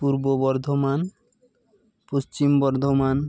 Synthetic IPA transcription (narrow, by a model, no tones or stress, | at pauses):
puɾbobɔɾd̪ʱoman | post͡ɕimbɔɾd̪ʱoman